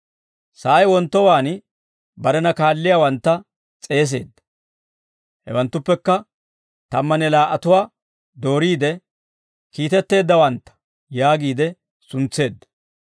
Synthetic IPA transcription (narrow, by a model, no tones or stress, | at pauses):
saːjwɔnt̪ːɔwaːn | bɐɾɛnɐkaːlːɪjaːwɐnt̪ːɐ | t͡sʼe̞ːs̬e̞ːd̪ːɐ̥ | hɛ̰wɐnt̪ːʊpːɛkːɐ | t̪ɐmːɐnɛlaːʔɐt̪ʊwaː | d̪o̞ːɾiːd̪ɛ | kiːt̪ɛt̪ːe̞ːd̪ːɐwɐnt̪ːɐ̥ | jaːɡiːd̪ɛ | sʊnt͡sːe̞ːd̪ːɐ̥